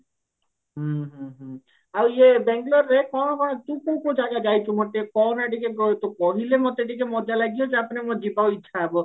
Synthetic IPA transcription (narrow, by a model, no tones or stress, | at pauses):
ɦuɦuɦu | awiebɛŋɡlɔɾːekɔnkɔt̪ũkõkõw̃d͡ʒaɡad͡ʒajt͡ʃʰumoʈikɔnaʈikekt̪ukɔɦilemɔt̪eʈikemɔd͡ʒalaɡijoseapnemod͡ʒipaoitːʃʰaebɔ